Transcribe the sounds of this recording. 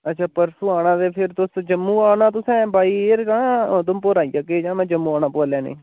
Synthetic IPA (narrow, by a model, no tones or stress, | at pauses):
ətːʃʰaːpəɾsuːaːɽ̃ãːd̪eːpʰɪɾt̪ʊsd͡ʒəmːũːaːnaːt̪̬ʊsɛ̃ːbʱaːiːeːɾkənãːd̪ʊmpoːɾaːiːd͡ʒaːkeːd͡ʒãːmɛ̃ːd͡ʒəmːũːaːñãːpoːlɛ̃ːnḛ̃ː